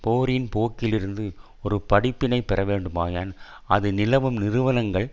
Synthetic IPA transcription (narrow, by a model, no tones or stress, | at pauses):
poːɾɪnpoːkːɪlɪɾɯnd̪ɯ | ɔɾɯpɐɽɪpːɪnɐɪpɛɾɐʋeːɳɖɯmaːjaːn | ɐðɯnɪlɐʋɯmnɪɾɯʋɐnɐŋɡɐɭ